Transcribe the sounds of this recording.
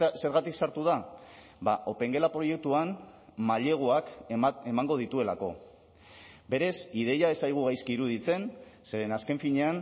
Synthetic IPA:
se̞ɾɣat̪iksaɾt̪uð̞a | baʔo̞pe̞ŋɡe̞lapɾo̞je̞k̚t̪uanmaʎe̞ɣ̞oake̞maŋɡo̞ðit̪ue̞lako̞ | be̞ɾe̞sið̞e̞jae̞sajɣ̞uɣajskiiɾuðit͡se̞nse̞ɾe̞naske̞ɱfiɲe̞an

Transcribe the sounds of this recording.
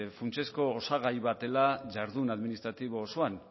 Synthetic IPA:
funt͡se̞sko̞ːsaɣ̞ajβat̪e̞laʝaɾðunaðminist̪ɾat̪iβo̞ːsoan

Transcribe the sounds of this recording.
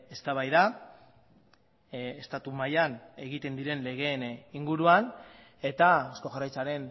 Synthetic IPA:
e̞st̪aβajða | est̪at̪umajane̞ɣit̪e̞nd̪iɾe̞nle̞ɣ̞e̞niŋɡuɾuan | e̞t̪aosko̞xarajt͡saɾe̞n

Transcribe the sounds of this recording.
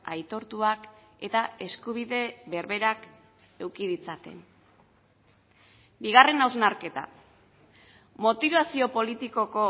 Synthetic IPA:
ajt̪o̞ɾt̪uake̞t̪ae̞skuβ̞iðe̞βe̞ɾβe̞ɾak | e̞wkiðit͡sat̪e̞̰n | biɣ̞are̞nawznaɾke̞t̪a̰ | mo̞t̪iβasio̞po̞lit̪iko̞ko̞

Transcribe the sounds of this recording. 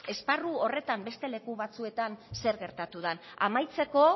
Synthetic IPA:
e̞sparuo̞re̞t̪ambe̞st̪e̞le̞kuβat͡sue̞t̪anse̞ɾɣe̞ɾt̪at̪uðanamajt͡se̞ko̞

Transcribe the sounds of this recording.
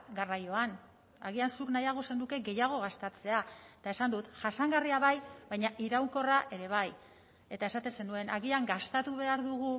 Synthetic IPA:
ɡarajo̞an | aɣ̞iansuknajaɣ̞o̞se̞nd̪uke̞ɡe̞jaɣ̞o̞ɣ̞ast̪at͡se̞aet̪ae̞sand̪ut̪ʝasaŋɡariaβajβajɲaʔiɾawŋko̞raʔe̞ɾe̞β̞aj | e̞t̪ae̞sat̪e̞nse̞nue̞naɣiaŋɡast̪at̪uβ̞e̞aɾðuɣ̞u

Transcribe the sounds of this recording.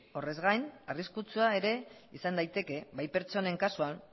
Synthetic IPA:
o̞re̞zɣajnariskut͡suae̞ɾe̞isand̪ajt̪e̞ke̞βajpe̞ɾt͡ʃo̞ne̞ŋkasuan

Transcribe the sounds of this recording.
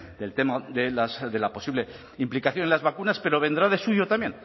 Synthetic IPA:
d̪e̞lt̪e̞maðelasðe̞lapo̞siβle | implikaθjo̞nelazβakunaspe̞ɾo̞βe̞nd̪ɾaðe̞suʝo̞t̪ambje̞n

